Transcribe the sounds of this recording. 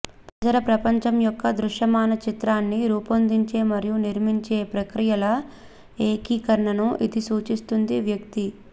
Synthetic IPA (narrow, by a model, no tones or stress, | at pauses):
pɾɐd͡ʒɐlɐpɾɐpɐɲt͡ʃɐmjɔkːɐd̪ɾuʂjɐmaːnɐt͡ʃit̪ɾaːnːiɾuːpond̪iɲt͡ʃe̞ːmɐɾijuniɾmiɲt͡ʃe̞ːpɾɐkɾijɐlɐ | eːkiːkɐɾɐɳɐnuʔid̪isuːt͡ʃist̪und̪iʋjɐk̚t̪i